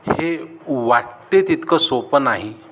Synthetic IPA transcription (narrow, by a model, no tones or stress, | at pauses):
heʋaʈt̪et̪it̪kəsopənaɦi